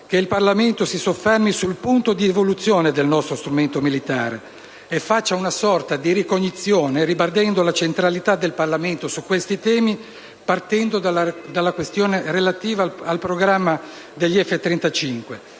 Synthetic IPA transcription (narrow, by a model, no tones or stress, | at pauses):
k̟eilparlament̪osisofːɛrmisulpunt̪od̪ievolut̪sːjoːned̪elnɔst̪ɾost̪ɾument̪omilit̪aːɾe | efːat͡ʃːaunasɔrt̪ad̪iɾikoɲːit̪sːjoːneɾibard̪ɛnd̪olat͡ʃent̪ɾalit̪ad̪ːelparlament̪osukwest̪it̪ɛːmi | part̪ɛnd̪od̪ad̪alːakwest̪joːnerelat̪iːvaalpɾoɡɾamːa | d̪eʎːiɛfːet̪ːɾɛnt̪at͡ʃiŋkwe